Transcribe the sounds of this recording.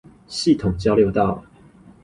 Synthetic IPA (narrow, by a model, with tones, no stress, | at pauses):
ɕi˥˨t̪ʰʊ˨˩ŋt͡ɕjɑ˥˦ʊljo˥˧ʊt̪ɑ˥˨ʊ